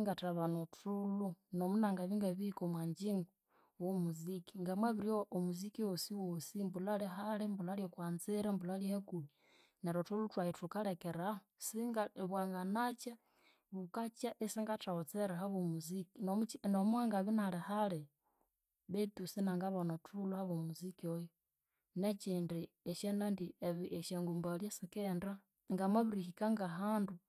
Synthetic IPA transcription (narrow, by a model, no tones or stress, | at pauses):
ŋɡataβanotʰulunomunaŋɡaβiŋɡaβikomwaːɲd͡ʒiŋɡo | womuziki̥ŋɡamwaβiɾioomuzikiwosiwosimbulaleɦalembulaljokwaːnziɾambulalihekuβi | neɾotulutwahitukalɛkɛɾa | siŋɡaβwaːŋɡanat͡ʃa | βukat͡ʃaʔesiŋɡataot͡seɾaɦaβomuzikinomut͡ʃnomwaːŋɡaβinalehale | βet̪usinaŋɡaβonotʰuluhaβomuzikiojo | net͡ʃindi | eʃenandieβiʔeʃeŋɡumbaljesikenda | ŋɡamaβiɾihikaŋɡaɦaːndu